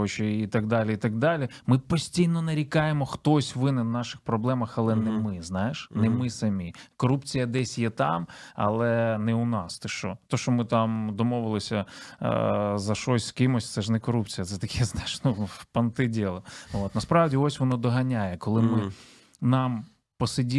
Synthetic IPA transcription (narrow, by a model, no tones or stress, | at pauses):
t͡ʃɔit̪ɐɡd̪ɑlʲiit̪ɐɡ̚d̪ɑlʲimɪpɔsʲtʲijnɔnɐɾʲikɑjemɔxt̪ɔsʲʋɪnɛnnɑʃɪxpɾɔblˠɛmɐxɐlˠɛnɛmɪznɑjeʃnɛmɪsɐmʲikɔɾupt͡sʲijɐd̪ɛsʲjɛt̪ɑ̰mɐ̰lˠɛnɛʊnɑst̪ɛʃt͡ʃɔt̪ɔʃt͡ʃɔmɪt̪ɑmd̪ɔmɔʋɪlˠɪsʲɐ | zɐʃɔsʲskɪmɔsʲt̪sɛʒnɛkɔɾupt͡sʲijɐt̪sɛt̪ɐkʰɛznajɪʃnupɐnt̪ɪdʲɛlˠɔot̪nɐspɾɑʋdʲiɔsʲʋɔnɔd̪ɔɦɐnʲajɛkɔlˠɪmɪ | nɑm | pɔsɪdʲi